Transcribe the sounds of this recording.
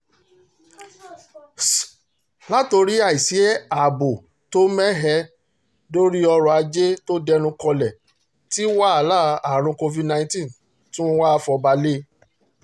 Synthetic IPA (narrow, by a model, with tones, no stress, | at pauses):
la˦to˧ɾi˦a˦˨i˨si˨˦ɛ˦a˨bo˨ | to˦mɛ˦ɦɛ˧ | do˦ɾi˦ɔ˧ɾɔ˨a˧d͡ʒe˦to˦dɛ˦nũ˧kɔ˧lɛ˨ | ti˦wa˦a˨˦la˦a˨ɾ̃ũ˧ko˧vi˦dnã˧˦ĩ˦tĩ˦˨ | tĩ˦mo˧wa˦fɔ˧ba˧le˦